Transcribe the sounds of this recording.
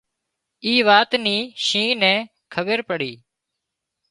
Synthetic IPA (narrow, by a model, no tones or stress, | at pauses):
iːʋaːt̪niːʃĩːnɛ̃ː | kʰəbəɾpəɽiː